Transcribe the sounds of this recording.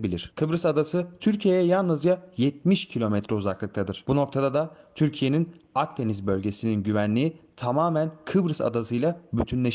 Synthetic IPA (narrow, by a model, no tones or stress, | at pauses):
bilʲiɾ̥kʰɯbɾɯsad̪asɯt̪ʰyɾcʰije̞jɛjalˠnɯzd͡ʒajɛt̪̚miʃcʰilʲo̞mɛt̪ʰɾɛuzaklˠɯk̚t̪ʰad̪ɯɾ̥b̥uno̞k̚t̪ʰad̪ad̪at̪ʰyɾcʰije̞ninak̚t̪ʰe̞nizbø̞lʲɟe̞sininɟyvænlʲiit̪ʰamaːmænkʰɯbɾɯsa̰d̪asɯjlˠabyt̪ʰynlʲeʃ